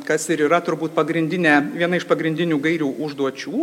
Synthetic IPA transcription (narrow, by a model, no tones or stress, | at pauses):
kɐsɪɾiːɾɐt̪ʊɾbuːt̪pɐɡɾʲɪnʲd̪ʲɪnʲɛːʋʲiɛnɐɪʃpɐɡɾʲɪnʲd̪ʲɪnʲuːɡɐɪɾʲuːʔʊʒd̪uɔt͡ʃʲuː